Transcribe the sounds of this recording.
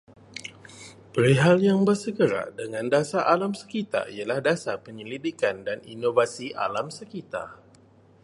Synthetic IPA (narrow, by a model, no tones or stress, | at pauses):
pəɾiɦaljaŋbərsəɡəɾa̰dəŋãndasaʔalamsə̥kit̪a̰ijalahdasapəɲəlidikandanḭnovasia̰lamsəkit̪a̰